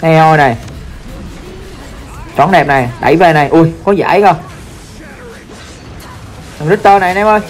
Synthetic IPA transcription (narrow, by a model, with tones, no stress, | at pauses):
nɛ˧ʔo˧jna˨˩j | t͡ɕɔ̰˧˩nɗɛ˨˩p̚na˨˩jɗa̰˧˩jveː˨˩na˨˩jʔu˧jkɔ˨˦za̰ː˧˥˦jkɔ˧˩ | a˨˩ŋzɨ˦˥k̚t̪əː˧na˨˩jnɛ˧mʔə˧˩j